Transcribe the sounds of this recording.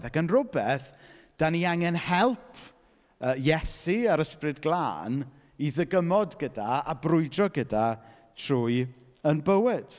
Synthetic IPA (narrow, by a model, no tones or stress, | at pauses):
ðakənrʊbɛθd̥aniaŋɛnhɛlˠpʰ | əjɛsiaɾəsprɨdɡlˠa̰ːn | iðəɡəmɔdɡədaabrʊɨdrɔɡəda | tʰr̥uːɨ | ənbəwɪd̥